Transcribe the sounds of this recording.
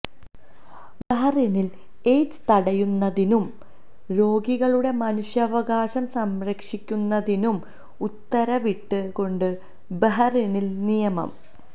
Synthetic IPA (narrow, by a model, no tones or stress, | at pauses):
beɦɐrinil | e̞ːd͡ʑɨ̥t̪ɐɽɐjunːɐðinum | ɾo̞ːɡiɣɐɭuɽe̞mɐnuɕjɐʋɐɡaːɕɐmsɐmrɐkʂikʲːunːɐðinum | ut̪ːɐɾɐʋiʈːɨko̞ɳɖɨ | beɦɐrinilnijɐmɐ̰m